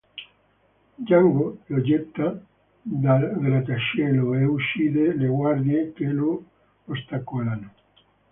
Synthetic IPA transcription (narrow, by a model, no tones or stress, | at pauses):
d͡ʒaŋɡojod͡ʒɛt̪ːa | d̪aɡɾat̪aʃeloeuʃiðeleɣwaɾðjekelo | ost̪akolan